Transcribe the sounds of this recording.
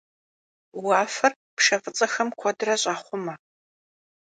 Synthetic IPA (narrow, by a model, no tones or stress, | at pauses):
waːfɐr | pʂɐfʼət͡sʼɐxɐmkʷʰɔdɨrɐɕʼaːχʷʊmɐ